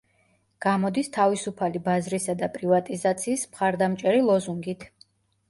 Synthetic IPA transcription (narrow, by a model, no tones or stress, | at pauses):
ɡ̥amɔd̪ist̪ʰavisupʰalibazɾisad̪apʼɾivat̪ʼizat̪sʰiːsmχaɾd̪amt͡ʃʼɛɾilˠɔzuŋɡit̪ʰ